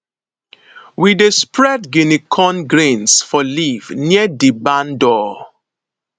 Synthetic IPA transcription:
widespɹɛdɡinikʰɔ̃nɡɾẽnsfɔlivniədibãndɔ

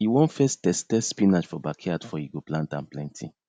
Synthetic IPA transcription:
iwɔ̃nfɛstɛstɛsspĩnat͡ʃfɔbakʰɛadfɔhiɡoplãntãnplɛ̃ntʰḭ̃

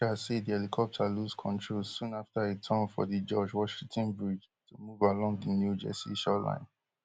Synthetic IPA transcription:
asediɛlikʰɔp̚tʰəluskʰɔ̃ntʰɹolsũnaftaitʰãnfɔ̰ðid͡ʒɔd͡ʒwɔʃĩŋtʰɔ̃nbɹid͡ʒ | tʰumuvalɔ̃ŋdənjud͡ʒɛ̰sḭʃɔlã̰ɪ̃n

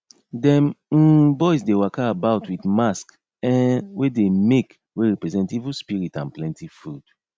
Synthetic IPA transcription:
dɛ̃m̩bɔɪsdewakaːbaʊtwitmask | ɛ̃nwedemek | weɹɛpɹɛzɛ̃ntivuspiɹitãnplɛ̃ntʰifud̥

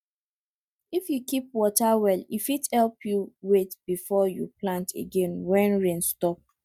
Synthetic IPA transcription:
ifjukip̚wɔtawɛlifithɛlpjuwetb̥ifɔjṵplãntʰḛɡẽnwɛ̃nɹẽnstɔp̚

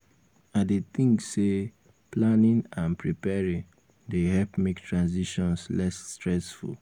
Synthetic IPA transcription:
adet̪ĩŋkse | planĩnãnpɹipɛɹĩn | dehɛlpmektʰɹãnziʃɔ̃nslɛsːtɹɛsfṵl

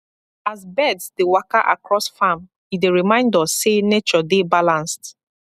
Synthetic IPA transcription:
azbɛdsdewaka̰ʔa̰kɹɔsfam | ideɹimãɪ̃ndɔsenet͡ʃɔdebalãnst

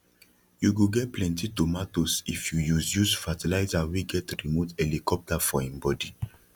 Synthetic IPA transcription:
juɡuɡɛt̚plɛ̃ntitomatosifjujuzjusfatilaɪzawiɡɛtɹimutɛlikɔp̚tafɔɛ̃mbɔdi

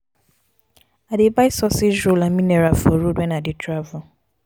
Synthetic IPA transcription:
adɪbajsɔsɪolamĩnɛɾafɔɾudɛ̃nadɪtʰɾavʊ

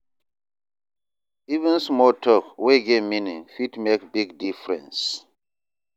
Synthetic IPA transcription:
ivə̃nsmɔtʰɔkweɡeminĩfitmekbiɡdifɹɛ̰̃ns

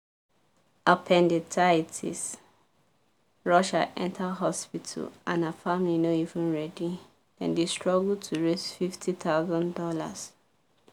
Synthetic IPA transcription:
apʰɛ̃ndetʰatʰḭs | ɹɔʃa̰ʔɛ̰̃ntʰaɦɔspitʰa̰lãnafamlinoivũnɹɛdĩ | d̥ɛ̰̃ndestɹɔɡultʰuɹesfiftʰitaʊzɔ̃ndɔla̰s

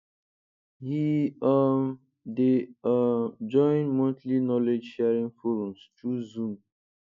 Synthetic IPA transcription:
hiam | de | d͡ʒɔ̃ɪ̃nmɔ̃tlinɔled͡ʒʃɛaɹĩŋfɔɾɔ̃mstuzũm

